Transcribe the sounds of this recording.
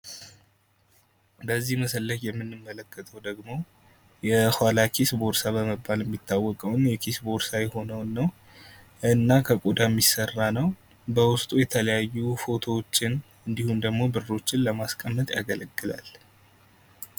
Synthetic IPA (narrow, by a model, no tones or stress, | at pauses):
bəzːihməsəlːəkjɛmːɨnːɨmːələkːət̪ʰəwd̪əɡmo̞ | jɛhwalakʰisbo̞ɾsaβəməbːaljɛmːit̪ʰːawːɔkʼəwnjɛkʰisbo̞ɾsajɛho̞nəwnːəw | ɨɨnːakʰəkʼud̪amːisərːanəw | bəwʊst̪ʼujɛt̪ʰələjajːufo̞t̪ʰo̞t͡ʃːɪn | ɨnd̪ihumd̪əɡmo̞bɨrːo̞t͡ʃːɪnləmaskʼəmːət̪ʼja̰ɡələɡːɨla̰l